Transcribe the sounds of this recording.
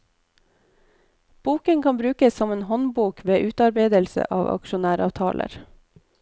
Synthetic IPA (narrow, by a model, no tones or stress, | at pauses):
b̥uːkəŋkʰɑmbɾʉːkəssɔmeːnhɔnbuːkʋeːʔʉːt̪ɑɾbeɪd̪əlsə̰ʔɑːʋɑ̰kʃʊnæːɾɑ̰ːʋt̪ʰɑ̰ːlʔə̰ɾ